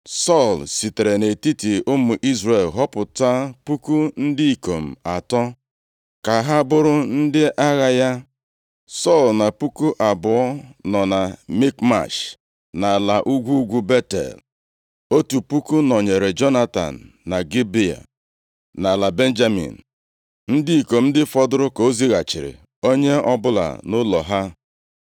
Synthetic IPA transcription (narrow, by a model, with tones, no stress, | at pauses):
sɔ˦˨lsi˨te˨ɾe˨ne˨ti˦ti˨ʊ˦mu˨ʔi˦zre˨lɦɔ˦pʊ˨ta˦pu˦ku˦n̩˦dɪ˦i˨ko˨m̩˨a˨tɔ˦ | ka˨ɦa˦bʊ˦ɾʊ˦n̩˦dɪ˦ʔa˦ɣa˦ja˦ | sɔ˦˨lna˨pu˦ku˦ʔa˨bʊ˨ɔ˦nɔ˨na˨mi˦kma̰˨ʃ | na˨la˨ʔu˦ɡʷu˦ɡʷu˦be˦tḛ˨l | o˦tu˨pu˦ku˦nɔ˨ɲe˨ɾe˨d͡ʒɔ˦na˦ta̰˨n̩ː˨a˨ɡi˦bi˦a̰˨ | na˨la˨be˦n̩˦d͡ʒa˦mḭ˨n̩˨ | n̩˦dɪ˦i˨ko˨m̩˦dɪ˦fɔ˦dʊ˦ɾʊ˦ko˨o˦zi˦ɣa˨t͡ʃɪ˨ɾɪ̰˨ | o˦ɲe˦ɔ˦bʊ˦la̰˨nʊ˦lɔ˨ɦa˦